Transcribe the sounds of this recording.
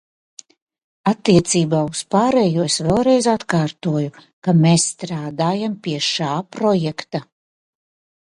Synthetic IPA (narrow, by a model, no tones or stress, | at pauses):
at̪ːiɛt̪siːbaːuspaːɾɛjuːsvɛlˠɾɛjzat̪kaːɾt̪uɔju | kameːsːt̪ɾaːd̪aːjampiɛʃaːpɾɔjɛkt̪a